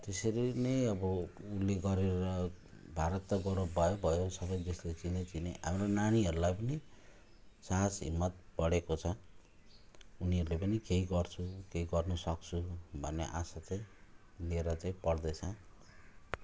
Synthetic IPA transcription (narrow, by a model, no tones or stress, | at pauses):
t̪esʌɾinejʌbʌulːeɡʌɾeɾʌ | bʱaɾʌt̪ːʌɡʌɾʌbbʱʌjobʱʌjosʌβʌjd͡zʌslet͡sinet͡sineɦa̰mronaniʌɾulajpʌni | sasɦḭmːʌt̪̚bʌɽekot͡sʰʌ | uniʌɾulepʌnikeɦiɡʌrt͡sʰukeiɡʌrnusʌk̚t͡sʰubʱʌnːḛʔasat͡saĩ | neɾat͡saĩpʌɽd̪ʌt͡sʰʌ̃